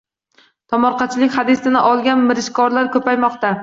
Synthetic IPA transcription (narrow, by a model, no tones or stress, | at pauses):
t̪ʰɒmɒɾqɑt͡ʃʰɪlɪkʲhad̪ɪsɪnɪʔɒlˠɡʲanmɪɾɪʃkʰɒɾlaɾkʰɵpajmɒqt̪a